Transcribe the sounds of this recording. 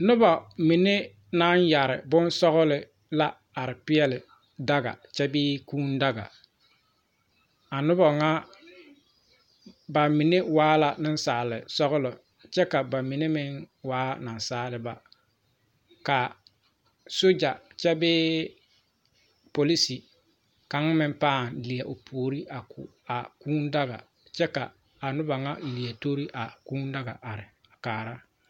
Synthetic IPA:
nʊ˦bɔ˨mi˨ne˦ | na˦nja˨ɾɪ̰˨bʊ˦nsɔ˦ɣʊ˦lɪ˨ | la˦ | a˨ɾɪ˨pɪ˦ɛ˦lɪ˨ | da˦ɡa̰˨t͡ʃɛ˦bɪː˦kuː˦nda˦ɡa̰˨ | a˨nʊ˦bɔ˨ŋa˦ | ba˨mi˨ne˦waː˦la˨nɪ˦n˦saː˨lɪ˨sɔ˦ɣʊ˦lɔ˨ | t͡ʃɛ˦ka˨ba˨mi˨ne˦mɪ˦ŋ | waː˦na˨n˨saː˦lɪ˨ba˨ | ka˨ | so˦d͡ʒa˨t͡ʃɛ˦bɪː˦ | po˨li˦si˨ | ka˨ŋ˦mɪ˦mpaː˦˨nli˨ja˨ʔʊ˨pʰoː˨ɾi˦ʔa˨kʰʊ̰˨ | a˨kuː˦nda˦ɣa̰˨ | t͡ʃɛ˦ka̰˨ | a˨nʊ˦ba˨ŋa˦˨li˨a˨to˦ɾi˦ʔa˨kuː˦nda˦ɡa̰˨ʔa˨ɾɪ˨ | a˨kaː˨ɾa˦

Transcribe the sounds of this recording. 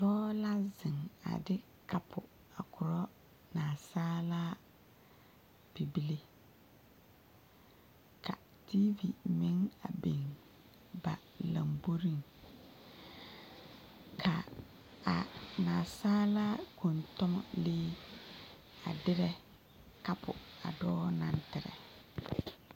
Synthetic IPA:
tɔː˦la˦zɪ˨ŋa̰˨dɪ˦ | kʰa˨pʰʊ˨ | a˨kʊ˨ɾɔ˦ | naː˨saː˦laː˦ | pi˨bi˦le˦ | ka˨ | ti˦vi˨mɪ˦ŋa̰˨be˨ŋ | ba˨la˨mbo˦ɾi˦˨ŋ | kʰa˨ | a˨naː˨saː˦laː˦ko˨ntɔ˦mɔ̰˨leː˦ | a̰˨dɪ˦ɾɛ˦ | ka˦pʰʊ˨a̰˨dɔː˦na˦ntɪ˨ɾɛ̰˨

